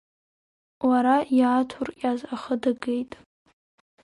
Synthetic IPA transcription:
waɾajaːtʰʊrkʲʼazaχədaɡe̞jtʼ

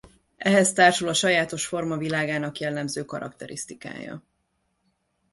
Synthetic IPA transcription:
ʔɛɦɛst̪aːrʃulɒʃɒjaːt̪o̞ʃfo̞rmɒvilaːɡaːnɒkjɛlːɛmzøːkɒɾɒ̰kt̪ɛɾʔist̪ika̰ːjɒ̰

